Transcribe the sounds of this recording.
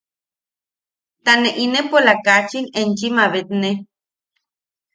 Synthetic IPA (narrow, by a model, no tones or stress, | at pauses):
t̪aneʔinepolakat͡ʃinent͡ʃimaβet̪ne